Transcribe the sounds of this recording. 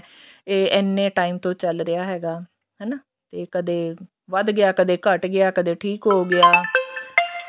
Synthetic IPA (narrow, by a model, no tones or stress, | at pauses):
eːʔɛːnːẽːʈaːiːmt̪õːt͡ʃəlɾɪjaːɦɛːɡaː | ɦɛːnaː | t̪eːkəd̪eː | ʋəd̪ɡɪaːkəd̪eːkəʈɡɪaːkəd̪eːʈʰiːkɦoːɡɪaː